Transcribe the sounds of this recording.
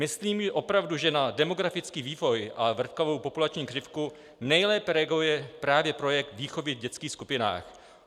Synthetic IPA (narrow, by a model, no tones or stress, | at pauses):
mɪsliːmʒɛʔo̞pɾavduʒɛnadɛmo̞ɡɾafɪt͡skiːviːvo̞jʔavr̩t̪kavo̞wpo̞pulat͡ʃɲiːkrɪfku | nɛjlɛːpɛɾɛɡujɛpɾaːvjɛpɾo̞jɛk̚t̪viːxo̞vɪvɟɛt͡skiːxskupɪna̰ːx